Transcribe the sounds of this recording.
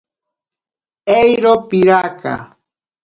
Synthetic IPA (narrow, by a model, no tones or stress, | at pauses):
ejɾopɪɾaka̰